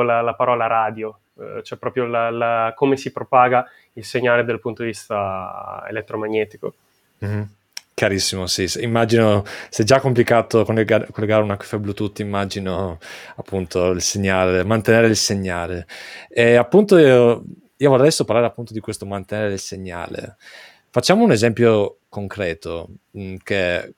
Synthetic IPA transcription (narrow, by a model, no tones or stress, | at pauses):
lalapaɾɔːlaɾaːd̪jo | t͡ʃoɛpːɾɔːpɾjolalakomesipɾopaːɡa | ilseɲːaːled̪elpunt̪od̪ivist̪aḛlet̪ːɾomaɲːɛːt̪i̥ko | kjaɾisːimosisimːad͡ʒinosɛd͡ʒakːomplikaːt̪okoleɡakolːeɡaːɾeunakḁfɛblut̪ut̪ːimːad͡ʒinoapʰːunt̪ʰoilseɲːaːlemant̪eneːɾeilseɲːaːleɛapːunt̪oio | iːovorɛjsopaɾlaɾeapːunt̪od̪ikwest̪omant̪eneːɾeilseɲːa̰ːlḛ | fat͡ʃːaːmounezɛmpjokoŋkɾɛːt̪oke